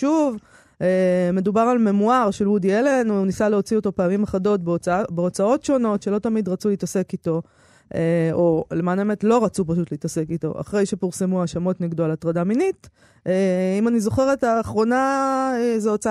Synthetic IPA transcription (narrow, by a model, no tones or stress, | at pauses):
ʃuv | eme̞dubaʁalme̞muaʁʃeludielenunisaleo̞t͡sio̞to̞peːamimaχado̞t̚bbeo̞t͡sao̞tʃo̞no̞tʃe̞lo̞tamidʁat͡suleitasekito̞ | ʔeolemanaemetlo̞ʁat͡supaʃutleitase̞kito̞̰ʔa̰χʁe̞jʃe̞piʁsemuaʃamo̞tneɡd̪oalatʁadaminit | eimanizo̞χe̞ʁetaːχʁo̞naezeot͡saa